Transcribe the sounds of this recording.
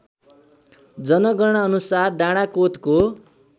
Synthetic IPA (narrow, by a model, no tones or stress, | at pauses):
d͡zʌnʌɡʌrɽ̃ʌːnusarɖaɽ̃akot̪ko